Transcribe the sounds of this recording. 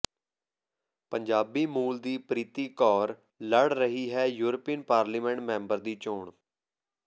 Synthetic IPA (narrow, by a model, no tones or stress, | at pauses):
pəɲd͡ʒaːbiːmuːld̪iːpɾiːt̪iːkɔːɾ | ləɽɾəɦiːɦɛːjuːɾəpiːnpaːɾliːmɛ̃ːɳʈmɛ̃ːmbəɾd̪iːt͡ʃoːɳ